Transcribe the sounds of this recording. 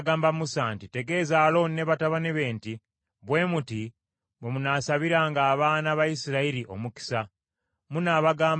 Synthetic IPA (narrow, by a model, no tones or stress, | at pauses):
ɡaːmbamusantite̞ɡe̞ːzaːlo̞nne̞βataβane̞βe̞ːnti | βwe̞ːmuti | βemunaːsaβiɾaːŋɡaːβaːnaβajisiɾaiɾiʔo̞̰muki̥sa | munaβaɡaːm